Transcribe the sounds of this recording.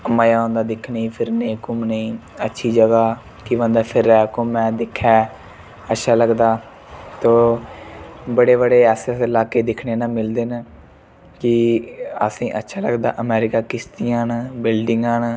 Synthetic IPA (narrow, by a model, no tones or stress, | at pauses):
məːjaːõːnd̪aːd̪ɪkʰnĩːpʰɪɾneːkʊmnəĩː | ətːʃʰiːd͡ʒəɡaː | kɪʋə̃nd̪aːpʰɪɾːɛːkʊmːɛ̃ːd̪ɪkʰːɛː | ətːʃʰaːləɡd̪aː | t̪õː | bəɽeːβəɽeːɛːsəsɪlaːkeːd̪ɪkʰneːnãːmɪld̪eːn | kɪəsĩːʔətːʃʰaːləɡd̪a̰ːʔəmɛːɾɪkaːkɪst̪ijãːnbɪlɖɪŋɡãːn